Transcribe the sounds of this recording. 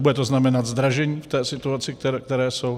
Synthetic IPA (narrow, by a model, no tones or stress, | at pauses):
budɛt̪oznamɛnad̪zd̪ɾaʒɛɲiːft̪ɛːsɪt̪uat͡sɪk̚t̪ɛɾɛkt̪ɛɾɛːsow